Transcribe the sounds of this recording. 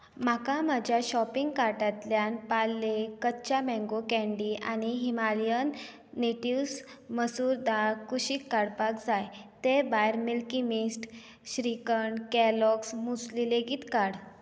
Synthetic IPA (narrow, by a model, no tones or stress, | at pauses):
m̤akamad͡ʑʱjaɕɔpiŋɡkaɾʈat̪ljanpalːekətːt͡ɕamɛ̃ŋɡokɛ̃ɳɖianiɦimalijənː | eʈiws | məsuɾd̪akuɕiːkːaɽpakd͡zajt̪ebajɾmilkimisʈ | ɕɾikəɳkɛlɔksmuslileɡiːt̪kaɽ